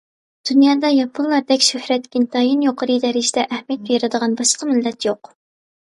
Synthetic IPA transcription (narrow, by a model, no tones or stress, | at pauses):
d̪̥unjɑːd̪ɑjɑpʰʊnlˠɑɾd̪ɛkʲʃøhɾɛt̪kʲint̪ʰɑjinjoqʰəɾɨd̪ɛɾɪd͡ʒid̪ɛʔæhmijɛt̪̚bjɾɨd̪əʁɑnbɑʃqʰəmɪlːɛt̪joq